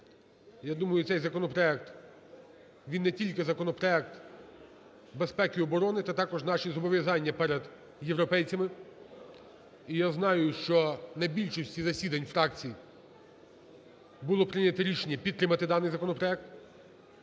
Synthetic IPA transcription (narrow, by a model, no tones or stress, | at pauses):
jad̪umɐjʊt̪sɛjzɐkɔnɔpɾɔɛk̚t̪ | ʋʲinːɛtʲilʲkɪzɐkɔnɔpɾɔɛk̚t̪ | bespɛkʲɪɔbɔɾɔnɪt̪ɑt̪ɑkɔʒnɑʃizɔbɔʋʲjɐzɑnʲːɐpɛɾed̪ | jewɾɔpɛjt͡sʲɐmɪ | ijaznɑjʊʃt͡ʃɔnɐjbʲilʲʃɔsʲtʲizɐsʲid̪ɐnʲfɾɑkt͡sʲiji | bʊlˠɔpɾɪnʲɐt̪ɔɾʲiʃenʲːɐpʲid̪t̪ːɾɪmɐt̪ɪd̪ɑnɪjzɐkɔnɔpɾɔɛk̚t̪